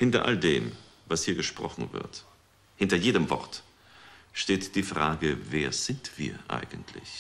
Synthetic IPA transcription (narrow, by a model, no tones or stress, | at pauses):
hɪntɐ̰ʔa̰ldeːm | vashiːɐɡəʃpʁ̥ɔ̰χn̩vɪ̰ɐt | hɪntɐjeːɾəmvɔ̰ʁt | ʃteːtd̥iːfʁ̥aːɡəveːɐz̥ɪntv̥ḭːɐʔa̰ɪɡn̩tʰlɪ̰ç